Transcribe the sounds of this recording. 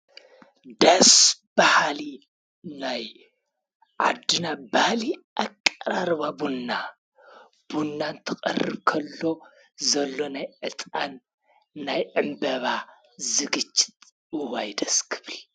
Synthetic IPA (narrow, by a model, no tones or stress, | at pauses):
d̪ɐsb̥ahali | naj | ʕa̰d̪ːɨnabahliʔakʼːɐɾaɾβabunːa | b̥unːant̪ʰɐkʼɐ̰rːɨbkʰɐlːo̞ | zɐlːo̞najʕɨt̪ʼanː | ajʕɨmbɐβa | zɨɡɨt͡ʃʼːɪ̥t̪ʼ | ɨwajd̪ɐskʰɨ̥βli